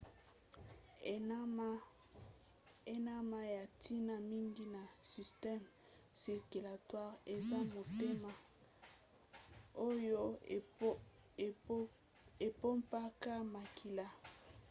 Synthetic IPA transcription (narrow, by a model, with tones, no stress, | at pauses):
e˦na˦ma˦ja˨tʰi˦na˦mi˦ŋɡi˦na˨si˨stɛ˦m | si˨ʁky˨la˨twa˦ʁe˨za˦mo˨te˦ma˨ | o˦jo˦ | e˨po˦mpa˦ka˦ma˨kʰi˨la˦